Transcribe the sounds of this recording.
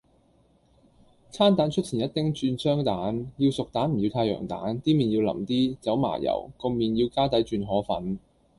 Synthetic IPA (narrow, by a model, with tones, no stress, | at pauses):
t͡sʰaː˥nt̪aː˨˥nt͡ʃʰɵ˥t̚t͡sʰiː˨˩jɐ˥t̪ɪ˥ŋt͡ʃyː˧nsœː˥ŋt̪aː˨˥njiː˧wsʊ˨k̚t̪aː˨˥nm̩˨˩jiː˨˧wt̪ʰaː˧jœ̰ː˨˩ŋt̪a̰ː˨˥nt̪iː˥miː˨˩njiː˧wlɐ̰˨˩mt̪iː˥t͡sɐ˨˥wma̰ː˨˩jɐ̰˨˩wkɔ˧miː˨njiː˧wkaː˥t̪ɐ˨˥jt͡ʃyː˧nɦɔː˨˥fɐ̰˨˥n